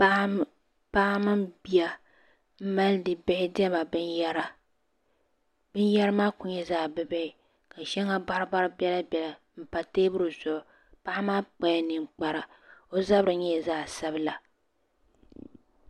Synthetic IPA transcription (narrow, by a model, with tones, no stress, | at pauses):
paː˦mɨ˦mbi˨a˦ | m̩˦ma˦ldɨ˨bɛ˦hɪ˦dɛ˦ba˨bɨ˦nja˦ɾa˦ | bɨ˦n˦jɛ˦ɾɨ˦maː˦kʊ˨ɲɛ˦zaː˦˨bɨ˦bɛ˦ɪ˨ | ka˨ʃɛ˦ŋːa˦ba˦ɾɨ˦ba˦ɾbɛ˦la˦bʲɛ˨la˨ | m̩˨pa˨teː˦bʊ˦ɾɨ˨zʊ˨ʔʊ˨ | pa˦ʔa˦maː˦k͡pa˦a˦nɨ˨mk͡pa˦ɾa˨ | o˦za˦bɾɨ˨ɲɛ˦˨zaː˦˨sa˦bɨ˦la˨